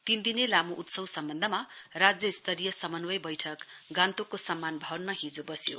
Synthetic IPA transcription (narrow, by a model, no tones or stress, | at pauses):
t̪ind̪inelamuʔut̪sʌwsʌmbʌnd̪ʱʌmarad͡zjʌist̪ʰʌɾijʌsʌmʌnwʌjbʌjʈʰʌkɡant̪okosʌmːanbʱʌwnmaɦid͡zobʌsjo̰